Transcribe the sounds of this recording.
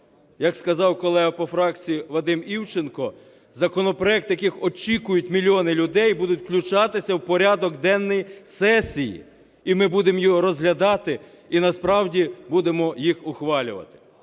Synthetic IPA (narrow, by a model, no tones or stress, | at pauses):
jɐkskɐzɑwkɔlˠɛɦɐpɔfɾɑk̚t͡sʲijiʋɐd̪ɪmiwt͡ʃenkɔ | zɐkɔnɔpɾɔɛk̚t̪jɐkɪxɔt͡ʃʲikʊjʊtʲmʲilʲːiɔnɪlʲʊd̪ɛjbud̪ʊtʲklʲʊt͡ʃɑt̪ɪsʲɐwpɔɾʲad̪ɔɡd̪ɛnːɔjisɛsʲːijḭ | imɪbud̪emjɔɦɔɾɔzɦlʲɐd̪ɑt̪ɪ | inɐspɾɑwdʲibud̪emɔjixʊxʋɑlʲʊ̰ʋɐ̰t̪ɪ̥